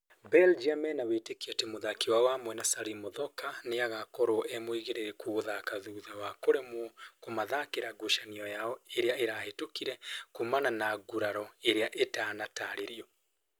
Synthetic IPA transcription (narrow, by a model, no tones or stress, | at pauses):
bɛld͡ʒamɛnawetekiatemoðakewawamwɛnasaɾimoðɔkaneaɣakɔɾoʔemwiɣeɾeɾɛkuɣoðakaðuðawakoɾemwɔkomaðakeɾaɡoʃaniɔjaɔeɾeaeɾahetokiɾɛkumananaɡuɾaɾɔeɾeaʔetaːnataɾeɾiɔ